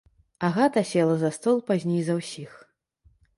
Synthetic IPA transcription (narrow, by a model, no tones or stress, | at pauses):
aɣat̪ɐsʲɛlˠɐzɐst̪ɔlˠpazʲnʲejzɐwsʲix